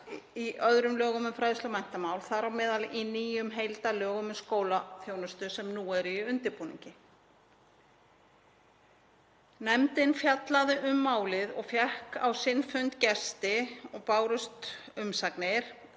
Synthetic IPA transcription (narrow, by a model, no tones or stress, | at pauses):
iʔœðɾʏmlœːɣʏmʏnfɾajðʏst̪œwmajn̥t̪amaːwlθaɾawmɛːðalʔiniːjʏmɦejlt̪alœːɣʏmʏnskoːwlaθjoːwnʏst̪ʏsɛmnuɛɾiʏnt̪ɪɾpuːnḭɲcɪ | nɛmt̪ɪnfjat̪laðʏʔʏmːaːwlɪðɔɣfjɛhka̰wsɪnfʏnt̪cɛst̪ɪɔɣpaːwɾʏst̪ʏmsakneɾ̥